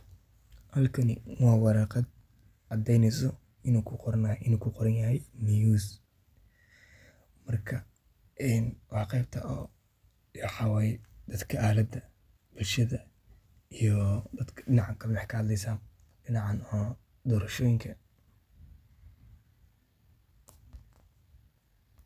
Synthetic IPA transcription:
hɐlkʰɐnɪ̰wɑːwɑɾɑːqɑd̪̚ | ʔɑd̪ɛjnɛsɔ | ʔɪnuːkʰʊqɔɾnʔɪnuːkʰʊqɔɾɐnjɐɦɛjmijuːs | mɐrkʰɐ | ʔɛːnwɑħqɛjb̚t̪ʰɐ̰ʔɔː | ɑħɑwɛjd̪̥ɐd̪kʰɐʔaːlɐd̪ɐ | b̥ʊlʃɐðɐ | ijɔd̪ɐd̪kʰɐ̥ɖɪnɑʕɑkʰɐmɛħkʰɐhɐd̪lɛjsaː | ɖɪnɑʕɑnɔː | d̪ɔːɾɐʃɔːjɪŋkʰɐ

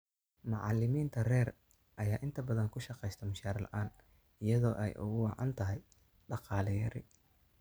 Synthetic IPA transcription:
mɑʕɑ̰lɪmiːnt̪ʰɐrɛːr | ʔɐjaːʔɪnt̪ʰɐbɐðɐŋkʰʊʃɑqɛjst̪ʰɐmʊʃaːɾlɐ̰ʔaːn | ɪjɐðɔːʔɛ̰jʔʊ̰ɣʊwɑʕɑ̰nt̪ʰɐɦɛj | ɖɑqɑːlɛjɐɾɪ̰

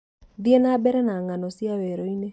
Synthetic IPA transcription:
ðienabɛɾɛnaŋanɔsjaweɾoine

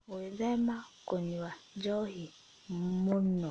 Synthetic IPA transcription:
ozemakoɲiwad͡ʒɔɦi | mmonɔ

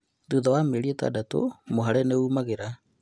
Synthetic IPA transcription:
duðawameɾietwa̰dato̰moɦaɾɛneuːmaɣeɾa

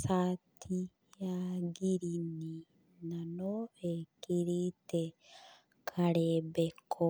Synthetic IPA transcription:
saːt̪ʰːi | jaːɡiɾini | nɐnoekːiɾit̪ɛ | kʰɐɾeːbɛkʰːɔ

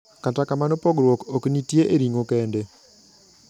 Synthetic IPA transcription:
katakamanopɔɡɾwokoknitjeʔeɾiŋokɛnde

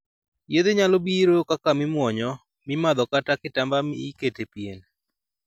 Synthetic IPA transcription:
jed̪eɲalɔbiɾokakamɪmwɔɲɔ | mɪmad̪ɔkatakɪtambamiːketepjen

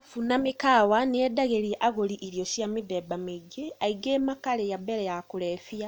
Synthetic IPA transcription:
funamikawaneedaɣeɾiʔaɣoɾiʔiɾioʃjamiðɛbameɟeaiɡeːmakalejabɛɾɛjakuɾɛfia

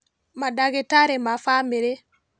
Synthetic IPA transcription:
madaɣetaɾemafamiɾe

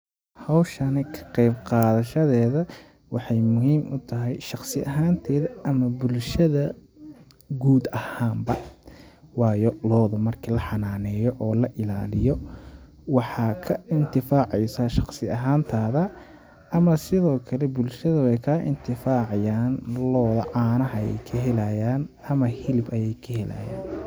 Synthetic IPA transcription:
hɑwʃɐnɪkʰɐ̥qɛjbqɑːðɐʃɐðɛːðɐ | wɑħɑjmʊɦiːmʊt̪ʰɐɦɛjʃɑqsɪʔɐɦaːnt̪ʰɛːðɐʔɐmɐbʊlʃɐðɐ | ɡuːd̪ɐhaːmbɐ | wɑːjɔlɔːðʊmɐrkʰilɐħɑnaːnɛːjɔʔɔːlɐʔɪla̰ːlɪjɔ | wɑħɑːkʰɐɪnt̪ʰɪfaːʕɛjsaʃɑqsɪɐɦaːnt̪ʰaːðɐ | ɐmɐsɪðɔːkʰɐlɛbʊlʃɐðɐwɛjkʰɐʔɪ̰nt̪ʰɪfaːʕɑjaːnlɔːðɐʕɑːnɐɦɐjɛ̰jkʰɐɦɛlɐjaːn | ɐmɐhɪlɪbɐjɛjkʰɐhɛlɐ̰ːja̰ːn

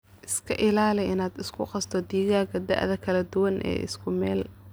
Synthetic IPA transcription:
ʔɪskʰɐ̰ʔɪlaːlɪʔɪnaːd̪ɪskʰʊqɑst̪ʰɔd̪iːɣaːɣɐd̪ɐ̰ʔðɐkʰɐlɐd̪ʊwɐnʔɛ̰ːʔɪ̰skʰʊmɛːl

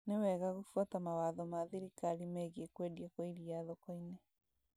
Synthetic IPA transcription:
newɛɣaɣufuatamawaːðɔmaðiɾikaɾimɛɣekwediekoiɾiaðɔkɔine

